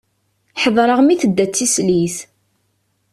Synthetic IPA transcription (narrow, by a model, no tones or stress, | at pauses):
ħəðˤɾˤəʁmiθəd̪ːæt͡sːislis